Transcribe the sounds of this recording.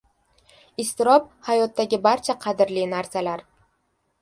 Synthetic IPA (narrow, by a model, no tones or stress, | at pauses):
ɪst̪ɪɾɒp̚hajɒt̪ːaɡʲɪbaɾt͡ʃʰaqʰɑd̪ɪɾlinaɾsalaɾ